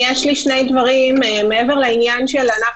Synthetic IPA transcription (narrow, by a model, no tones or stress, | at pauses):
jeʃliʃne̞jd̪vaʁimmeeve̞ʁleinjanʃelana